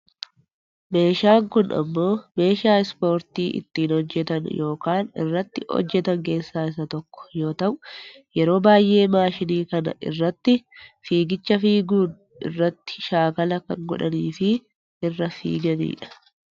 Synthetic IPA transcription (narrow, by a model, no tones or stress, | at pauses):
me̞ːʃaːŋkʊnʔɐ̰mːo̞ːme̞ːʃaːɪspo̞ːɾt̪iːʔɪ̰t̪ːiːnhɔd͡ʒːɛt̪ɐnjo̞ːkaːnɪ̰rːɐt̪ːɪhɔ̰d͡ʒːɛt̪ɐŋke̞ːsːaːɪs̬ɐt̪ɔkːɔ̥jo̞ːt̪ɐʔʊ | jɛɾo̞ːbaːjʔe̞ːmaːʃɪniːkɐnɐ̰ʔɪ̰rːɐt̪ːɪfiːɡɪt͡ʃːɐfiːɡuːn | ɪ̰rːɐt̪ːɪ̥ʃaːkɐlɐkɐŋɡɔᶑɐniːfɪ | ɪrːɐfḭːɡɐnḭːᶑɐ̥